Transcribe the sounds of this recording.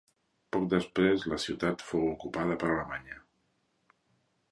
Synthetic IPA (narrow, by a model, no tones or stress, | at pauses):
pɔk̚d̪əspɾezləsiwt̪at̪fowukupaðəpəɾaləmaɲə